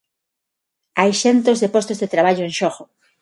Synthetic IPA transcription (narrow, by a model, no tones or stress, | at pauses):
ajʃent̪ozðepost̪ozðet̪ɾaβ̞aʎoẽŋʃoɣo